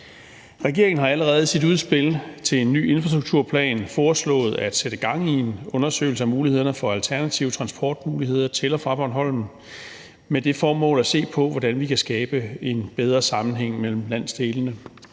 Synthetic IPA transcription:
ʁɛɡ̥e̝ɐ̰eŋən̩ɦhɑ̈æləʁɛːð̞̩ˠsid̥uðˠsb̥e̝lt͡sʰe̝enːy̰ːe̝nfʁɑsd̥ʁuɡ̥̚t͡sʰuɐ̰pʰlɛ̰ːnfɒːslɔ̰̽ːð̞̩ˠæd̥seɾ̥əɡ̥ɑ̈ŋ̰ie̝nɔ̽nɐsø̰ɪl̩səæmuːlihe̝ð̞̰ˠɐnəfɒ̽ælt͡sʰæɐnæt͡sʰiʊət͡sʰʁɑ̈nsb̥ʰɒ̰ːd̥muːlihe̝ð̰ˠɐt͡sʰe̝lɒfʁɑ̈b̥ɒnɦɒ̽l̰m̩ | med̥e̝fɒːmɔ̰̽ːlæse̝̰ːpʰɒ̽ʋɒd̥ænʋikʰæsɡ̥ɛːb̥əe̝nb̥eð̞ˠʁɐsɑ̈mn̩ɦeŋ̰mel̰m̩læn̰sd̥e̝ːlənə

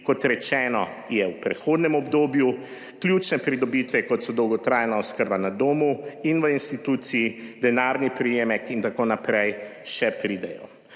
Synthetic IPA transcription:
kɔt̪ɾɛt͡ʃɛːnɔ | jɛwpɾɛxoːd̪nɛmɔbd̪oːbju | klʲjuːt͡ʃnɛpɾid̪ɔbit̪ʋɛkɔt̪sɔd̪ɔwɡɔt̪ɾaːjɛnaɔskəɾbanad̪oːmuinʋəinst̪it̪uːt̪sijid̪ɛnaɾnipɾijeːmɛkint̪akoːnapɾɛjʃɛpɾiːd̪ɛjɔ̰

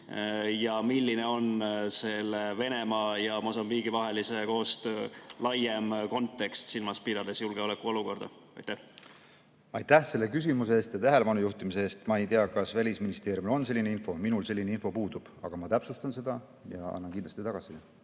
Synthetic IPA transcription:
jɑmilːineo̞nse̞lːeve̞ne̞mɑːjɑmo̞sɑmbiːɡ̥ivɑɦe̞liseko̞ːst̪øːlɑjemko̞nt̪ːˑe̞kst̪silmɑspid̪̥ɑd̪̥esjulɡ̥e̞o̞lekːuo̞luko̞rd̪̥ɑ̰ | ɑ̰jt̪ːæh | ɑjt̪æhse̞lːe̞kys̬imuseeːst̪jɑt̪æɦe̞lepɑnujuht̪imis̬e̞eːst̪mɑe̞jt̪eɑkɑsvælʲisminist̪e̞ːɾjumlo̞nse̞lːine̞info̞minulse̞lʲːineinfo̞puːd̪̥ub̥ɑ̰ɡ̥ɑmɑt̪æpsust̪ɑnse̞d̪̥ɑ | jɑ̰ɑ̰nːɑnkind̪lɑst̪it̪ɑɡ̥ɑsi

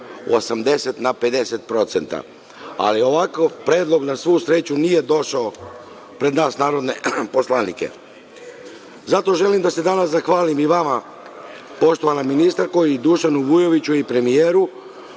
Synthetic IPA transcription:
ṵosamd̪e̞set̪nape̞d̪e̞set̪̚pɾo̞t̪se̞nt̪a̰ | a̰lio̞ʋakoʋpɾe̞ːd̪lˠo̞ɡnasʋuːsɾe̞t͡ɕunije̞d̪o̞ʃao | pɾe̞d̪naːsnaːɾo̞d̪ne̞po̞slˠanḭke̞̰ | zat̪o̞ʒe̞limd̪ase̞d̪anaszaxʋaːlimiʋama | po̞ʃt̪o̞ʋanaminist̪ɾaɾko̞jid̪uʃanuʋuje̞ʋit͡ɕuipɾe̞mijeːɾu

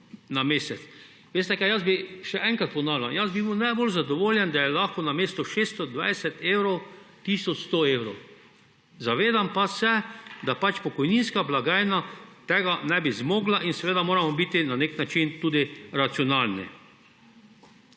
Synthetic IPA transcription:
nameːsɛt̪s | ʋeːst̪ɛkajazbiʃɛʔɛŋkɾat̪̚pɔnaːwlanjazbibiwnajbolzad̪ɔʋoːljɛnd̪ajɛlaxkɔnameːst̪ɔʃeːst̪ɔd̪ʋa̰jsɛt̪ewɾow | t̪iːsɔt͡ʃst̪oewɾɔw | zaʋeːd̪ampasɛd̪apat͡ʃpɔkɔjninskablaɡaːjnat̪ɛɡanɛbizmɔːɡlaʔinsɛʋeːd̪amoːɾamɔbiːt̪inaneknat͡ʃint̪uːd̪iɾat̪siɔnalnḭ

